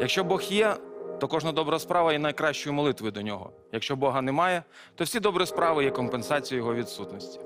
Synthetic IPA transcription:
jɐkʃt͡ʃɔbɔxjɛt̪ɔkɔʐnɐd̪ɔbɾɐɐspɾɑʋɐjɛnɐjkɾɑʃt͡ʃɔjʊmɔlˠɪt̪ʋɔjʊd̪ɔnʲɔɦɔ̰ | jɐkʃt͡ʃɔbɔɦɐnɛmɑjɛ | t̪ɔwfsʲid̪ɔbɾʊjspɾɑʋɪjɛkɔmpensɑt͡sʲijʊjɔɦɔʋʲid̪sut̪nɔsʲtʲi̥

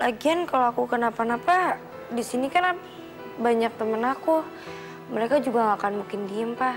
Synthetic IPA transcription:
laɡiankaloakukanapanapa | disinikanap | baɲak̚t̪əmənaku | məɾekad͡ʒuɡaŋakanmuŋkɪndiəmpa

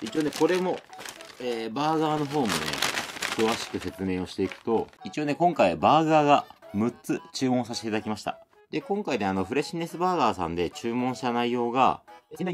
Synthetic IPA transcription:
it͡ɕio̞ːne̞ko̞ɾe̞mo̞eːbaːɡaːno̞ɦo̞ːmo̞ne̞̰kɯ̟βaɕi̥kɯ̟se̞t͡sɨme̞ːo̞ɕi̥t̪e̞ikɯ̟̥t̪o̞it͡ɕio̞ːne̞kõ̞ŋkaibaːɡaːɡamɯ̟tt͡sɨt͡ɕɨːmõs̬aɕt̪et̪ad̪akʲimaɕi̥t̪a̰ | d̪e̞kõŋkaid̪eano̞ɸɯ̟ɾe̞ɕine̞sɨbaːɡaːsã̰nd̪e̞t͡ɕɨːmõ̞ɰ̃ɕi̥t̪anaijo̞ːɡa̰

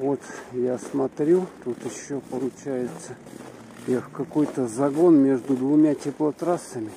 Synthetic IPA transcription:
vo̞t̪jasmɐt̪ɾʲut̪ut̪ɪɕːopəlˠʊt͡ɕæjɪt̪sə | xkɐko̞jt̪əzɐɡo̞nmʲe̞ʐd̪ʊd̪vʊmʲatʲɪplˠɐt̪ɾasːəmʲɪ

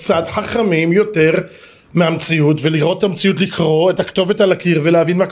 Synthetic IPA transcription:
t͡sadħaχamimjo̞te̞ʁ | meamt͡siutve̞liʁʔo̞ttamt͡siutlikʰʁo̞etakto̞ve̞thalakiʁveleavinmak

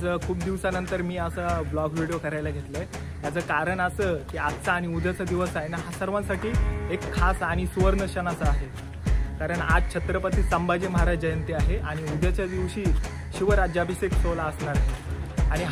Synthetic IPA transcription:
d͡zəkʰuːb̚d̪iʋsanənt̪əɾmiːəsəːblɔɡʋiɽijokəɾajlaɡʱet̪ləe | ɦ̪jad͡zəkaɾəɳəsəːkiːatt͡saːɽ̃iud̪ʱat͡sad̪iʋəsaenəɦasəɾʋãsaʈiːekʰːasaɽ̃isuʋəɾnəɕənat͡səaɦe | kaɾəɳa̰d͡zt͡ɕʰət̪ɾəpət̪iːsəmbad͡ʑim̤aɾad͡ʑd͡ʑəjənt̪iaɦeʔaɽ̃iud̪ʱjat͡ɕjad̪iʋɕiː | ɕiʋəɾad͡ʑabʱiseksoləsɳaɾɦeaɽ̃iɦ

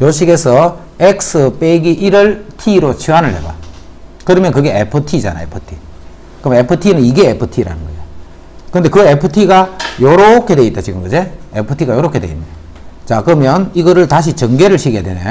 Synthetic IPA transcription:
joɕʰiɡe̞sʰʌ | ek̚sɯpeɡiʔiɾɯɭtʰiɾot͡ɕʰiɦanɯɭɦḛba̰ | kɯɾʌmjʌnkɯɡe̞epʰɯtʰid͡ʑa̰na̰epʰɯtʰi | kɯɾmepʰɯtʰinɯniɡe̞epʰɯtʰiɾa̰nɯnɡʌd͡ʑo | kɯnde̞kɯepʰɯtʰiɡajoɾokʰe̞dwe̞it͈ːat͡ɕiɡɯmɡʌd͡ʑeepʰɯtʰiɡajoɾokʰe̞dwḛḭnda | t͡ɕakɯɾʌmjʌniɡʌɾɯɭtaɕ̬ʰit͡ɕʌŋɡe̞ɾɯɭɕʰiɡjedwene

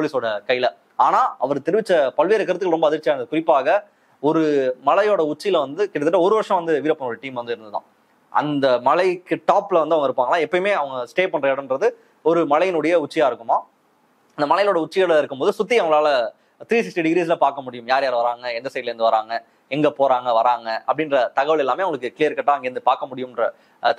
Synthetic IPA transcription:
polɪsoːɽɐkɐjɪlɐ | aːnaːʔɐ̰ʋɐɾt̪ɛɾɪʋɪt͡ʃːɐpɐlʋeːɾɐkɐɾɐt̪̬ːɯkːlɾɔmbɐːðɪɾt͡ʃːɪaːɾɯndɐðɯkʊɾɪpːaːɣɐ | ɔɾɯmɐlɐjoːɽɐʊt͡ʃːɪjɪlɐʋɐnd̪ɯkɪɽɐt̪ɯʈːɐɔɾɯʋɐɾʂɐ̃ʋɐnd̪ɯʋiːɾɐpːɐnoːɾɯʈiːmʋɐnd̪ɯɪɾɯnd̪ɯðã̰ː | ʔɐ̰nd̪ɐmɐlɐɪkːɯʈaːpːlɐʋɐnd̪ɯɐʋɐŋɐɪɾɯpːaːŋɡɐlãːɛpːɐjmeːɐʋɐŋɡɐsʈeːpɐɳrɐɛɽɐnrɐðɯ | ɔɾɯmɐlɐjnʊɽɐjɐʊt͡ʃːɪjaːɪɾɯkːɯmaː | ɐnd̪ɐmɐlɐjloːɽɐʊt͡ʃːɪɣɐlɐɪɾɯkːɯmpoːðɯsʊt̪̬ːɪjɐʋɐŋɡɐɭaːlɐ | t̪ɪɾiːs̬ɪksʈiɖɪɡɾiːs̬lɐpaːɾkɐmʊɽɪjɯmjaːɾjaːɾɯʋɐɾaːŋɡɐɛnd̪ɐsɛɪʈɪlɛɾnd̪ɯʋɐɾaːŋɡɐ | ɛŋɡɐpoːɾaːŋɡɐʋɐɾaːŋɡɐʔɐ̰pːɐɽɪnrɾɐt̪ɐɣɐʋɐɭɛlːaːmeːʋʊŋɡɐɭɯkːɯkɪlijɐɾkːɐʈːaːɐŋɡeɾɯnd̪ɯpaːɾkɐmʊɽɪjɯmɪnrɐ

